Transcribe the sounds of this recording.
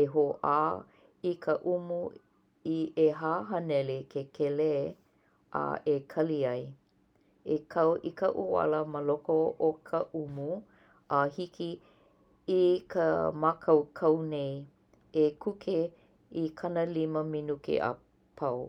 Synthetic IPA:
eɦoʔaː | ikʰəʔumu | ieɦaːɦɐnɛlekʰekʰele | ʔa̰ʔekʰɐliɐj | ekʰɐwʔikɐ̰ʔua̰ləməlokookʰəʔumu | ʔahikʰi | ikʰəmakʰɐwkʰɐwnej | ekʰukʰe | ikʰɐnəliməminukḛʔa̰ | pʰɐw

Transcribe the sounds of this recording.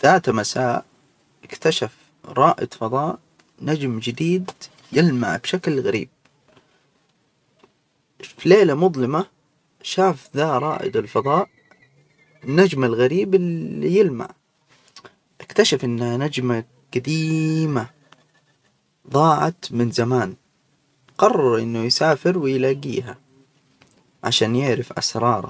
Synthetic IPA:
t̪aːt̪amasaːʔ | ɪkt̪aʃaf | ɾˤɑːʔɪ̰d̪fɑðˤɑːʔ | nad͡ʒmd͡ʒɪd̪iːd̪ | jɪlma̰ʕbʃaklɣaɾḭːb̚ | fileːlamʊðˤlɪma | ʃaːfðaːɾˤɑːʔɪ̰d̪ɪlfɑðˤɑːʔ | nad͡ʒmalɣaɾiːbɪlijɪlma̰ʕ | ʔɪkt̪aʃafʔɪnːhanad͡ʒma | ɡ̥ad̪iːma | ðˤɑːʕa̰t̪mɪnzamaːn | qɑrˤːɑɾˤʔɪ̰nːʊjsaːfɪɾwɪjlaːɡiːɦa̰ | ʕa̰ʃaːnjɪʕɾɪfʔa̰sɾˤɑːɾˤɑ̰

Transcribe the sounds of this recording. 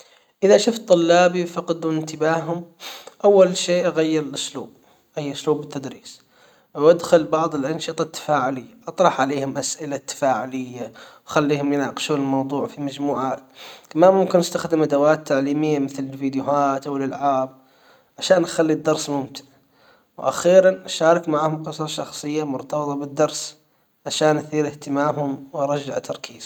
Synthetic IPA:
ʔɪðaʃʊft̪ˤːʊlːaːbifɑqɑd̪wɪnt̪ɪbaːɦʊmʔawːalʃeːʔaɣajːɪɾɪlʔʊsluːb̚ | hɪjːaʔʊsluːbɪt̪ːad̪ɾiːs | wʔad̪xʊlbɑʕðˤɨlʔɪnʃɨt̪ˤɑt̪ʰːḁfaːʕʊlɪjːaʔɑt̪ˤɾˤɑħʕaleːhʊmʔasʔɪlat̪ːḁfaːʕʊlɪjːawxalːiːhʊmjɪnaːqɪ̥ʃuːnɪlmɑwðˤuːʕfimad͡ʒmuːʕaːt̪kamanmʊmkɪnʔast̪axd̪ɪmʔad̪awaːt̪ʰːaʕliːmɪjːamɪθlɪlfiːd̪jʊhaːt̪awɪlʔalʕaːb̚ | ʕaʃaːnʔaxalːid̪ːɑɾˤsmʊmt̪ɪ̥n | wʔa̰xiːɾanʔaʃaːɾˤɑkmaʕaːhʊmqɨsɾˤɑʃɑxsˤɨjːamʊɾt̪ɑbɨt̪ˤɑbɪd̪ːɑɾˤs | ʕaʃaːnʔaθiːɾɪht̪ɪmaːmhʊmwɑɾˤɑd͡ʒːaʕt̪ʰːɑɾˤkʰiːz̥

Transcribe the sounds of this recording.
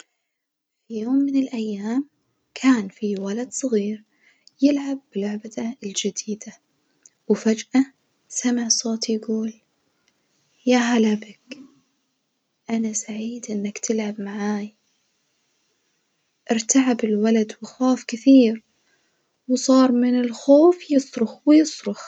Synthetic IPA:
fijoːmːɪnɪlʔajːaːm | kʰaːnfiwalad̪sˤɑɣiːɾ | jɪlʕab̚ːɪlʊʕbat̪aɪld͡ʒɪd̪iːd̪̥a | wɪfad͡ʒʔa | samɪʕsˤoːt̪ijɡuːl | jaɦalʕabak | ʔanasaʕiːd̪ʔɪnːakt̪ʰɪlʕabmaʕaːj | ʔɪɾt̪aʕabɪlwalad̪wɪxoːfkɪθiːɾ | wsˤɑːɾˤmɪnɪlxoːfjɨsˤɾʊxwɪjɨsˤɾʊx

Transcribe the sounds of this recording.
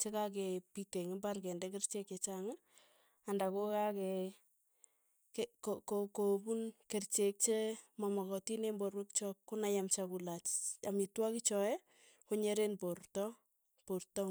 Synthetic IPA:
t͡ʃekak̬epiteŋɪbarkɛndɛkert͡ʃeket͡ʃaŋɪ | andakokakɛ | kekokokobunkert͡ʃek̚t͡ʃemɔmɔkɔtinemborwekt͡ʃɔkkːonajamt͡ʃakulat͡ʃamitwakɪt͡ʃɔɛ | koɲeɾenportɔ | portɔ

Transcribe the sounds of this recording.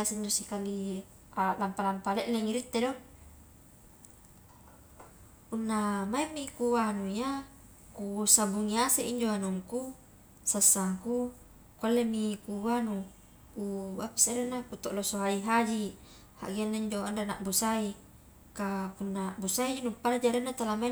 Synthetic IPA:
lasind̪usikali | alampalampaleʔleŋiɾit̪ːedo | unːamaimːikuwanuia | kusabuŋiaseʔiɲd͡ʒoanuŋku | sasːaŋku | kualːemikuwanu | kuapḁseɾenːakut̪oʔlosoaiɦad͡ʒi | ha̰ʔɡianːaiɲd͡ʒoandenaʔbusai | kapunːabusaid͡ʒinupːalad͡ʒaɾenːat̪alamai

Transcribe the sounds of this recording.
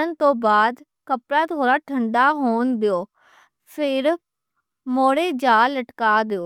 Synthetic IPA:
ənt̪õːbaːd̪ | kəpɾaːt̪ʰoːɾaːʈʰəɳɖaːɦoːnd̪eoː | pʰɪɾ | moːɽeːd͡ʒaːlːəʈkaːd̪eoː

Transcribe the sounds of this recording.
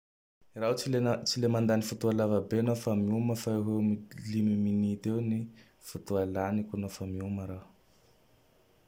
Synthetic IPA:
iraut͡siet͡silemand̪anifut̪ualavəbenofamiuməfaeɦemilimiminit̪ewni | fut̪ualanikʲunofamiuməɾa

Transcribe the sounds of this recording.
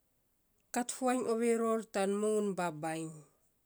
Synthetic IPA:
kathuaɲoβeɾoɾtanmuŋunbabajŋ

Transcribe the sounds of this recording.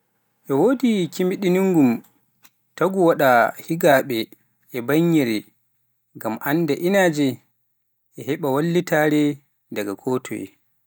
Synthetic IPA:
ʔɛwoːdikimiɗiniŋɡum | taɡuwaɗahiɡaɓɛ | ʔɛbaɲːɛɾɛ | ɡamʔandɛʔinaːd͡ʒɛ | ʔɛhɛɓawalːitaɾɛ | daɡakʰoːtʰɔ̰jɛ̰

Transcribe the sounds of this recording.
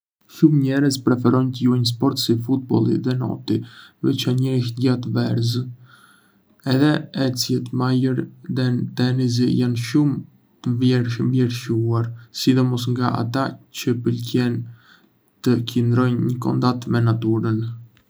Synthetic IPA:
ʃumɲɛɾəzpɾɛfɛɾɔjnt̪əjuajns̬pɔɾt̪sifut̪̚bɔlˠḭðɛnɔ̰t̪ivɛt͡ʃaɲəɾiʃɟat̪əvɛɾz | ɛðɛɛt͡siɛt̪majəɾðɛt̪ɛnis̬ijanʃum | t̪əvɛmvlɛɾʃuaɾsid̪ɔmɔs̬ŋɡaʔa̰t̪at͡ɕəpəlcɛn | t̪əcənd̪ɾɔjnɲəkɔ̰nd̪at̪mɛnat̪uɾən

